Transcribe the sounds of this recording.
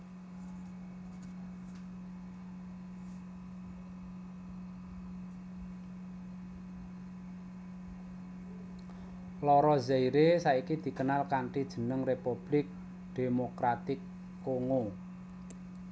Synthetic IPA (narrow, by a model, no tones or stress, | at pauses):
lɔɾɔzaiɾesaikid̪̥i̤kənalkaɳʈid̥ʒ̥ə̤nəŋrepub̥lɪk̚ | d̪̥emokɾat̪ɪkː | oŋo